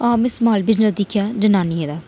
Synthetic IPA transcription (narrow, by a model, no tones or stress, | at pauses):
aːmɪsmaːlbɪznəsd̪ɪkʰjaːd͡ʒənaːnieːd̪aː